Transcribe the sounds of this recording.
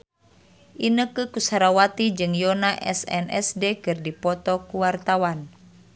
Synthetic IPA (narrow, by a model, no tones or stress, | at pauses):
ʔinəkɨkusaɾawat̪id͡ʒɨŋjɔnaʔɛ̰sɛ̰nɛ̰sdekɨrdipɔt̪ɔkuwart̪awan